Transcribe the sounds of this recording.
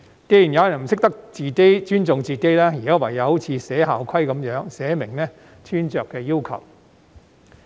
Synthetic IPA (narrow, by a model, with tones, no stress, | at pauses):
ke˧jy˨˩njɐ˨˧wjɐ˨˩nm̩˨˩sɪ˥k̚t̪ɐ˥k̚t͡siː˨˩t̪e˥jt͡ʃyː˥nt͡sʊ˨˧ŋt͡siː˨˧t̪e˥jlaː˥jiː˨˩kaː˥wɐ˨jɐ˨˧who˨˥wt͡sʰiː˨˧sɛː˨˥ɦaː˨wkʰɐ˥jkɐ˨˥mjœː˨˥ŋsɛː˨˥mɪ˨˩ŋnɛː˥ | t͡ʃʰyː˥nt͡ʃœː˨kːɛː˧jiː˥wkʰɐ̰˨˩w